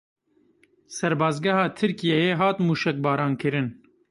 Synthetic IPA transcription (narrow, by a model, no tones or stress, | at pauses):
sɛɾbɑːzɡɛhɑːt̪ʰɨɾkijejeɦɑːt̪muːʃɛk̚bɑːɾɑːnkʰɨɾɪn